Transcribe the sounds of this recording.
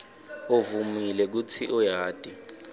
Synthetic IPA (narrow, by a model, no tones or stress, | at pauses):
ovumilɛk̬ut͡sʰiʔɔjaːd̥ʼʱi